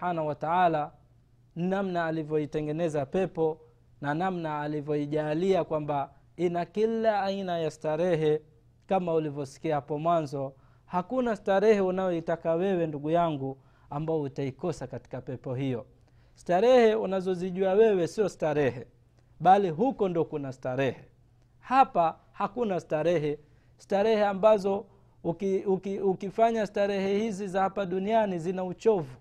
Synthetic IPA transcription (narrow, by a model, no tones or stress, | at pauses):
anawataala | namnaːlivjɔitɛŋɡɛnɛzapɛpɔ | nanamnaːlivjɔiʄaːliakwamba | inakilaːinajastaɾɛɦɛ | kamaulivjɔsi̥kiahapɔmwanzɔ | hakunastaɾɛhɛunajɔitakawɛwɛnduɡujaŋɡu | ambaɔutaikɔsakati̥kapɛpɔhijɔ | si̥taɾɛhɛunazɔziʄuawɛwɛsiɔstaɾɛhɛ | ɓaliɦukɔndiɔkunastaɾɛhɛ | hapa | hakunastaɾɛɦɛ | staɾɛhɛambazɔ | ukukiukifaɲastaɾɛhɛhizizahapaɗunianizinaut͡ʃɔvu